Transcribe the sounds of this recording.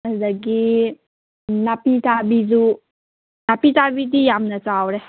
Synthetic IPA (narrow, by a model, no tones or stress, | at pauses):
ədaɡi | napitabidu | napitabid̪ijamnat͡ʃawɾɛ